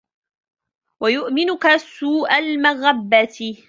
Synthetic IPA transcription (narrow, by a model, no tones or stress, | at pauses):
wajʊʔmɪnʊkasuːʔalmaɣabːat̪